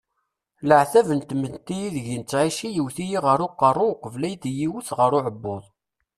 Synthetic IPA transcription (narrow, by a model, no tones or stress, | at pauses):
ləʕθævənt̪mənt̪ːijiðʝint͡sːʕiʃijiwθijiʁəɾˤʊqːɑrˤːowqːəvlæjd̪jiwuθʁəɾʊʕəbːoðˤ